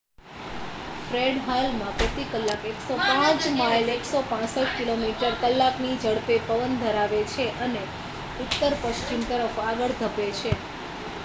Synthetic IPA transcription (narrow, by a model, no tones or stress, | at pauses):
fɾeɖɦalmãpɾət̪ikəlːakeksopãt͡ʃmajleksopãsəʈkilomiʈəɾkəlːaknid͡ʒəɽpepəʋənd̪ʱəɾaʋet͡ʃʰeʔəne | ʊt̪ːəɾpəʃt͡ʃimt̪əɾəfaɡəɭd̪ʱəpet͡ʃʰe